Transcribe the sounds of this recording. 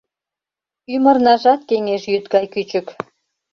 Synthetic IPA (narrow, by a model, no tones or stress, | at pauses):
ymə̆rnɑʒɑt̪̚keŋeʃjyt̪̚ɡɑjkyt͡ɕək